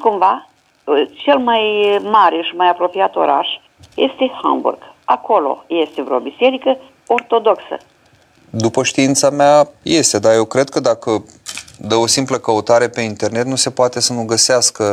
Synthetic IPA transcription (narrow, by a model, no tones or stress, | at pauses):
kumva | t͡ʃe̞lmajmaɾe̞ʃimajapɾo̞piat̪o̞̰ɾa̰ʃ | je̞̰st̪e̞ha̰mbṵrɡ̥ako̞lo̞̰je̞st̪e̞vɾeobise̞ɾikə | o̞rt̪o̞d̪o̞ksə̰ | d̪upəʃt̪iint̪sameaje̞st̪e̞d̪aje̞wkɾe̞d̪̚kəd̪akə | d̪əo̞simpləkəut̪aɾe̞pe̞int̪e̞rne̞t̪nuse̞poat̪e̞sənuɡəseaskə